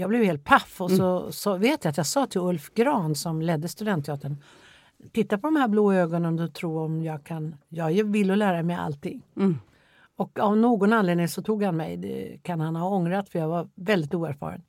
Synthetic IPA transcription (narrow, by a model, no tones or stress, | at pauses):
jɑːɡblɛvheːlt̪̚pʰafːɔsɔsɑveːt̪jat̪jɑːɡsɑːt̪ʰɪlɵlfɡɾɑːnsɔmlɛd̪ːəst̪ɵd̪ɛnt̪ʰːɪɑːt̪ʰəɳ | t̪ʰɪt̪ːapʰɔd̪ɔmhæːbloːøːɡɔnənd̪ɔt̪ʰɾuːɔmjɑːɡkʰanjɑːɡvɪlːɔlæːɾamɛja̰lt̪ʰɪŋː | ɔkavnoːɡɔnanleːd̪nɪŋsɔt̪ʰuːɡhanmɛjd̪ɛ̰kʰanhanhaɔŋɾat̪fœɾjɑːɡvaɾvɛld̪ɪt̪uːæɾfɑ̰ːɾə̰n